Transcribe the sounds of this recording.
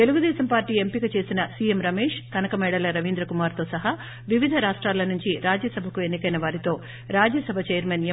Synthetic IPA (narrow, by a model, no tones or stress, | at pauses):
t̪e̞luɡud̪ɛːsɐmpaːɾʈːiːe̞mpikɐt͡ʃe̞ːsinɐsiːjemɾɐmeːʂt̪ɐnɐkɐmɛːɽɐlɐɾɐʋind̪ɾɐkumaːɾt̪o̞ːsɐɦa | ʋiʋid̪ʱɐɾaːʂʈɾaːlːɐnuɲt͡ʃiɾaːd͡ʒjɐsɐbʱɐkue̞nːikɐjnɐʋaːɾit̪o̞ː | ɾaːd͡ʒjɐsɐbʱɐt͡ʃeːjɐɾmɐnj